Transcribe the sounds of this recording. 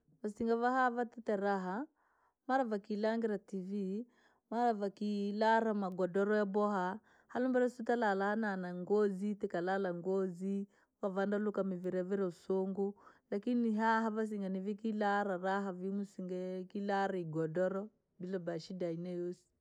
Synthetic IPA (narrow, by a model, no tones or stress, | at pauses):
vasiŋɡavaɦavatɛtɛɾaɦa | maɾavakilaŋɡɛɾativi | maɾavakilaɾamaɡɔdɔɾɔjabɔɦa | halumbɛɾasutalalahananaŋɡɔzitɛkalalaŋɡɔzi | vavandalukamiviɾɛvɛɾɛusoŋɡulakiniɦaɦavas̬iŋɡanivikilaɾaɾaɦavimusiŋɡɛkilaɾaiɡɔdɔɾɔ | bilabaʃidainajosi̥